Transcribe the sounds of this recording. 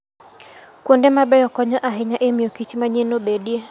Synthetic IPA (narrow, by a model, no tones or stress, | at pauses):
kwondɛmabɛjɔkɔɲɔʔaɦɛɲaʔemiokit͡ʃmaɲenobeɗie